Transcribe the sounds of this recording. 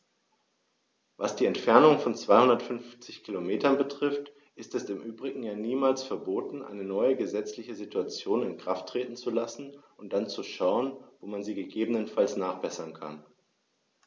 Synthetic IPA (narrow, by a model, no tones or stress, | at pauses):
vasd̥iːɛntfɛɐnʊŋfɔnt͡sv̥aɪhʊndɐtfʏnft͡sɪçkʰilomeːtɐnbətʁ̥ɪft | ʔɪstɛsɪmʔyːbʁɪɡŋ̩jaːniːmaːlsfɛɐboːtn̩ʔa̰ɪnənɔʏəɡəzɛt͡slɪçəzituat͡sjoːnɪnkʁ̥aftʰːʁ̥eːtn̩t͡sulasn̩ʔʊnt̚d̥ant͡suʃaʊənvoːmanziːɡəɡeːbənənfalsnaːχb̥ɛsɐnkʰa̰n